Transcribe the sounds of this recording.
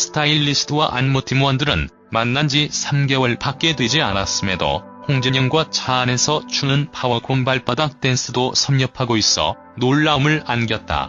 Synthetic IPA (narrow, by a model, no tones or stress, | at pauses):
sʰɯ̥tʰailːisʰɯ̥tʰɯwaʔanmotʰimoʌndɯɾɯn | manːand͡ʑisʰamɡe̞wʌɭpak̚k͈e̞dwed͡ʑianas͈ɯmedo̰ | hoŋd͡ʑeɲʌŋɡwat͡ɕaːne̞sʰʌt͡ɕunɯnpʰawʌkombaɭp͈adat͈e̞ns͈ʰɯdosʰʌmɲʌpʰaɡois͈ʌ̰ | noɭːaumɯɭanɡjʌt̚t͈a̰